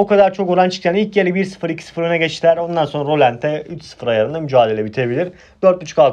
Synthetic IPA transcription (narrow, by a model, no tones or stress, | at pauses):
okad̪aɾt͡ʃʰo̞koɾant͡ʃʰɯ̥kʰjʰanilʲcjelʲibiɾsɯ̥fɯɾicʰi̥sɯ̥fɯɾønɛɟet͡ʃt̪ilʲæɾo̞nd̪anso̞nɾaɾolʲænt̪ʰɛyt͡ʃsɯ̥fɯɾajaɾɯnamyd͡ʒaːd̪e̞lʲebit̪ʰebilʲiɾ | d̪̥øɾt̪̚byt͡ʃʰy̥kalˠ